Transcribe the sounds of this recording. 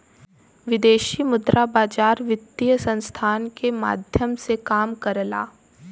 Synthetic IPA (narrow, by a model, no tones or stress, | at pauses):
ʋɪd̪eːʃimʊd̪ɾʔabaːd͡ʒaːɾʋɪt̪ːijəsə̃nst̪ʰaːnkema̰ːd̪ʱjəmsekaːmkɐɾla̰ː